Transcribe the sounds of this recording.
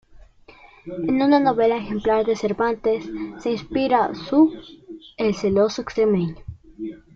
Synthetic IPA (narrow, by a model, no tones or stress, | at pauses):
enunano̞βe̞laexemplaɾðese̞ɾβant̪esːeinspiɾasu | elselosoekst̪ɾemeɲo